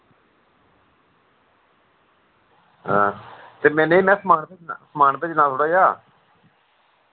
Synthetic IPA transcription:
ɦɛ̃ːt̪eːmɛ̃ːneiːmɛ̃ːsmaːɳpesmaːɳp̪eːt͡ʃnãːsʰʊɽaːjaː

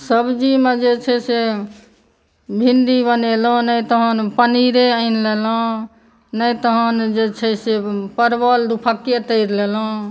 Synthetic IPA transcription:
səbd͡ʒimed͡ʒet͡ʃʰɛse | bʱind̪ibənelɔ̃nəjt̪ɔɦənpəniɾeəɪnlelɔ̃ | nəjt̪əɦənd͡ʒet͡ʃʰɛsepəɾbəld̪upʰaket̪əɪɾlelɔ̃

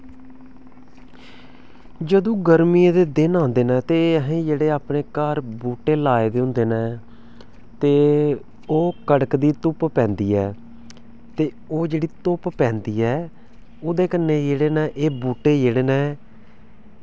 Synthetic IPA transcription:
d͡ʒəd̪õːɡəɾmiːẽːd̪eːd̪ɪnãːnd̪eːnɛ̃ːt̪eːəɦẽːd͡ʒeːɽeːaːpneːkəːɾbuːʈeːlaːeːd̪eːɦʊ̃nd̪eːnɛː | t̪eː | oːkəɽəkd̪iːt̪ʊppɛ̃ːnd̪iːɛː | t̪eː | oːd͡ʒeːɽiːt̪ʊppɛ̃ːnd̪iːɛː | oːd̪eːkənːeːjeːɽeːnɛːʔeːbuːʈːeːjeːɽeːnɛː

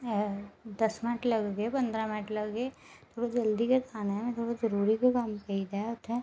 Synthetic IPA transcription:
d̪ɐsmɪnʈlɐɡɡepɐ̃nd̪ɾamɪnəʈʰlɐɡɡe | t̪ʰoːɽad͡ʒɐld̪ikek̪ʰaːnemẽt̪ʰoːɽazɐɾuːɾikekampɐid͡ʒ̪aʊt̪ʰẽ

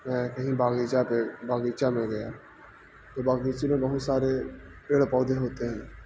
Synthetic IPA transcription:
mɛ̃ːkəɦĩbaːɡiːt͡ʃaːpebaːɡiːt͡ʃaːmẽɡəja̰ː | t̪oːbaːɡiːt͡ʃemẽbəɦʊt̪saːɾepeːɽpɔːd̪eɦoːt̪eɦɛ̃ː

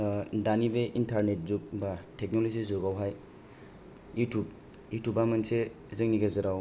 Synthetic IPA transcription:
danibeʔintʰaɾnet̚zuk̚batʰek̚nolozizɔɡawɦaj | jutʰub | jutʰubamanse | zɯŋniɡazɯɾaw

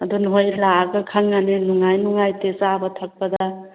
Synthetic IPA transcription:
ɐdunɦojlaɡɐkʰaŋːanenuŋajnuŋajtesabɐtʰɐk̚pɐda

